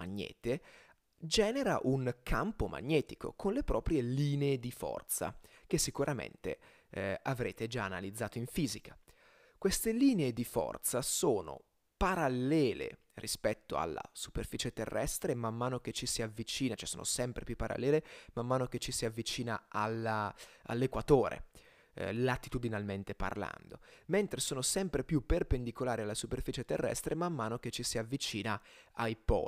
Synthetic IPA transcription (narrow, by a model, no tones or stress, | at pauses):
maɲːɛ̰ːt̪e | d͡ʒɛːneɾaʔuŋkʰampomʔa̰ɲːɛːt̪iko̰kʰonlepɾɔːpɾjeliːneed̪ifɔ̰rt̪sa̰k̟esːikuɾʔamḛnt̪ḛ | avɾeːt̪ed͡ʒaːnalid̪zːaːt̪oiɱfiːzikʰḁ | kwest̪eliːneed̪ifɔ̰rt̪sasoːno̰ | paɾalːɛːlḛ | rḭspɛt̪ːoa̰lːa̰superfiːt͡ʃet̪ḛrːɛ̰st̪ɾemamːaːnok̟et͡ʃːisiavːit͡ʃiːnat͡ʃɛsoːno̰sɛmpɾepjupːaɾa̰lːɛːlemamːaːnok̟et͡ʃːisiavːit͡ʃiːna̰alaa̰lːekwat̪oːɾḛ | lat̪ːit̪ud̪inalment̪epa̰rla̰nd̪oment̪ɾesoːnosɛmpɾepjupːerpend̪ikolaːɾialːasuperfiːt͡ʃet̪ḛrːɛ̰st̪ɾemamːaːnok̟et͡ʃːisiavːit͡ʃiːna | ajpɔ̰ː